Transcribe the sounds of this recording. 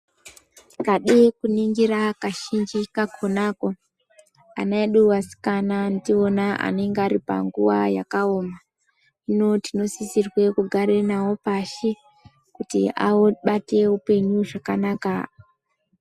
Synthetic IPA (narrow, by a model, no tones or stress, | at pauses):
kaɗekuniŋɡiɾakaʃind͡ʒikakʰonako̞ | a̰naeɗuwasi̥kananitio̞naʔa̰ne̞ŋɡaɾipa̰ŋɡuwaja̰kaoːma | ino̞tino̞sisirwe̞kuɡʱaɾe̞nawo̞paʃi | kutḭʔa̰oɓate̞upe̞ɲuʐakanaːka